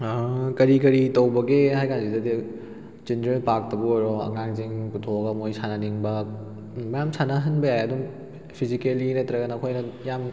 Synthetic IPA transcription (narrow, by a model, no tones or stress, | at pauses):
kɐɾikɐɾitɐwbɐɡeɦajkʰanzidɐdi | d͡ʒindɾelpak̚tɐbuɾoɐ̰ŋaŋziŋkutʰoɡɐmojsʰananiŋbɐː | ɐjamsʰanɐɦɐnbɐjajɐdum | pʰizikelinetːɾɐɡɐnɐkʰojnɐjam